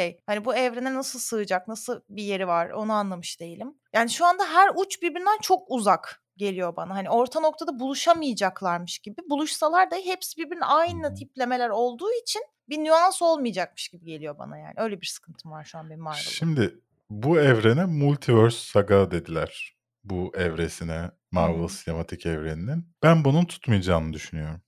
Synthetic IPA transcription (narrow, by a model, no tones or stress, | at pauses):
ʃejhanibuɛvɾe̞nɛnasɯlˠsɯɯd͡ʒak̚nasɯlˠbije̞ɾivaɾo̞̰nuanlˠamɯʃd̪e̞jilʲimjaːniʃuand̪aɦæɾut͡ʃbiɾbiɾnd̪ænt͡ʃʰo̞kuzak | ɟe̞lʲijo̞banaɦanio̞ɾt̪ʰano̞k̚t̪ʰad̪abulˠuʃamɯjad͡ʒaklˠaɾmɯʃɟibibulˠuʃsalˠaɾd̪aɦepsibiɾbiɾinajnˠat̪ʰiplʲe̞me̞lʲæɾo̞lˠd̪uːit͡ʃʰin | binyanso̞lˠmɯjad͡ʒak̚mɯ̥ʃɟ̥ibiɟe̞lʲijo̞ba̰naja̰ːniø̞jlʲebiɾsɯ̥kʰɯnt̪ʰɯmvaɾʃuanbenimaɾʃimd̪ɪ | buɛvɾe̞nɛmulʲt̪ʰivøɾsːaɡad̪e̞d̪ilʲæɾ̥ | buɛvɾe̞sinɛ | maɾvɛlˠsine̞mat̪ʰicɛvɾenininb̥ænbununt̪ʰu̥t̪mɯjd͡ʒaːnɯd̪yʃynyjo̞ɾum